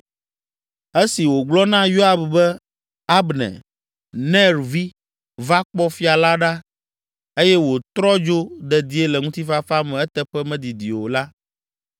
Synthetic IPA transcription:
e˦si˨wo˨ɡ͡blɔ˦nã˦jo˦a˦bbɛ˦ | a˦bnɛ̰˨ | nɛ̃˦ɾvi˦ | va˦k͡pɔ˦fi˦a˨la˦ɖa˦ | e˦jɛ˦wo˨t̪ɾɔ˦d͡ʒo˦d̪ɛ˨d̪i˨˦e˦lɛ˨ŋũ˦t̪i˦fa˦fa˦mɛ̃˨ɛ˦t̪ɛ˦ɸɛ˦mɛ̃˦d̪i˨d̪i˨wo˨la˦

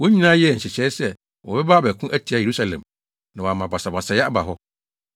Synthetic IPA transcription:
wo˦ɲĩ˦nãː˦jɛ˦˨ɲ̩˨ɕɪ˨t͡ɕʰɛ˦sɛ˨ | wɔ˨bɛ˦ba˦bɛ˨kʰũ˦ʔæ˦tʰi˨a˦je˨ɾu˦sa˨lɛ̰̃˨m | nã˨wa˨mã˨ba˨sa˨ba˨sa˨jɛ˦a˦ba˨ɦɔ˦

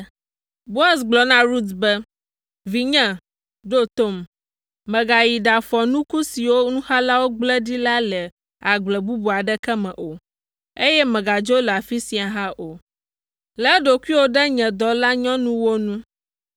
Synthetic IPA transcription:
bo˦a˨sɡ͡blɔ˨nã˦ɾu˦t̪bɛ˦ | vi˨ɲɛ̃˦ | ɖo˦t̪o˦m | mɛ̃˨ɡa˨ji˨ɖa˨fɔ˨nũ˦ku˦si˨wo˦nũ˦ha˦la˦wo˦ɡ͡blɛ˦di˦la˦lɛ˨ | a˨ɡ͡blɛ˨bu˦bu˨a˨ɖɛ˦kɛ˦mɛ̃˨ʔo˨ | e˦jɛ˦mɛ̃˨ɡa˨d͡ʒo˦lɛ˨a˨fi˦sĩ˨a˨ɦã˦ʔo˨ | lɛ˨˦ɖo˨ku˦i˦wo˦ɖɛ˦ɲɛ̃˨d̪ɔ˨la˦ɲɔ̃˦nũ˦wo˦nũ˦

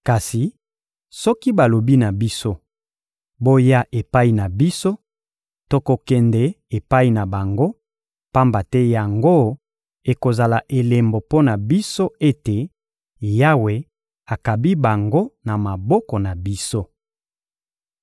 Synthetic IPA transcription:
ka˨si˨ | sɔ˦ki˦ba˨lo˨bi˦na˨bi˦so˦ | bo˦ja˦ʔe˨pa˦i˨na˨bi˦so˦ | to˦ko˨kɛ˨ndɛ˦ | e˨pa˦i˨na˨ba˨ŋɡo˦ | pa˦mba˨tɛ˦ja˨ŋɡo˦ | e˨ko˨za˨la˨ʔe˨le˨mbo˨po˦na˨bi˦so˦e˦te˨ | ja˦we˨ | a˨ka˨bi˦ba˨ŋɡo˦na˨ma˨bɔ˦kɔ˨na˨bi˦so˦

